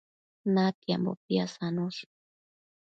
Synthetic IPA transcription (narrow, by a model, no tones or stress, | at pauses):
nat̪jambo̰piasanus